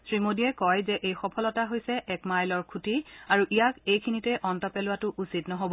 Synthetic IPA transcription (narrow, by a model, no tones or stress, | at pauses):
sɹimodiɛkɔjzɛʔejxɔpʰɔlɔtaɦojsɛʔɛkmajlɔɹkʰutiaɹuʔijakejkʰinitɛʔɔntɔpɛlʊwatʊʔusitnɔɦobɔ